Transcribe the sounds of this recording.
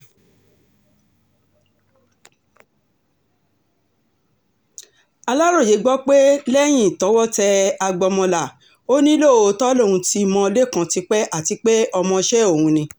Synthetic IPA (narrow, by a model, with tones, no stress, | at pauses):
a˧la˦ɾo˦˨je˨˦ɡ͡bɔ˦k͡pe˦lɛ˦j̃ĩ˦˨tɔ˨˦wɔ˦tɛ˧a˧ɡ͡bɔ˧mɔ̃˧la˨ | o˦nĩ˦lo˦˨o˧tɔ˦lõ˦˨ũ˧ti˧mɔ̃˧o˧le˦˨kã˧ti˧k͡pɛ˦ʔa˦˨ti˨˧˦k͡pe˦ʔɔ˧mɔ̃˧ʃɛ˦o˦˨hũ˧nĩ˧